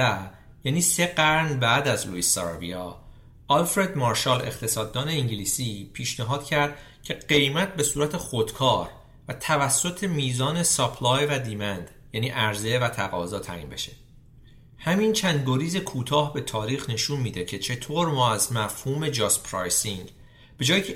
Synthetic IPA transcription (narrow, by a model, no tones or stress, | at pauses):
æ | jæːniːse̞ɡæɾnbæːd̪æzlṵisɑ̰ɾvḭjɒː | ɒlfɾe̞d̪mɒɾʃɑle̞̰xt̪ʰe̞sɒːd̪ːɒːne̞iŋɟiliːsiːpʰiːʃnæɦɒːd̪̥cʰæɾd̪̥̚ | cʰe̞ɢe̞jmæt̪̚ʰbe̞suːɾæt̪ʰe̞xo̞d̪̥kʰɒːɾ | væt̪ʰævæsːo̞t̪ʰe̞miːzɒːne̞sɒpʰlɒːjvæd̪iːmænd̪̥ | jæːniːʔæɾze̞væt̪ʰæɣɒ̰ːzɒːt̪ʰæ̰ʔḭːmbe̞̰ʃe | hæmint͡ʃʰænd̪̚ɡoɾiːze̞kʰuːt̪ʰɒːhbe̞t̪ʰɒːɾiːxne̞ʃunmiːd̪e̞cʰe̞t͡ʃʰe̞t̪ʰoɾmɒːæzmæfhuːme̞d͡ʒɒːspʰɾɒjsiŋ | b̥e̞d͡ʒɒːjiːcʰe